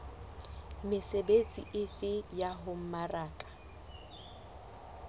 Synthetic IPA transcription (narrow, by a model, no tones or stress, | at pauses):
mɪsebet͡sʼḭʔɪfɪjaɦʊm̩maraːkʼḁ